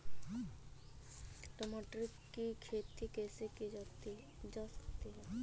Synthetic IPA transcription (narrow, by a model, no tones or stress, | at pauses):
ʈɔmɔʈɾikːikʰet̪ikeːsekid͡ʒɔt̪i | d͡ʒɔsə̥kt̪iɦɛ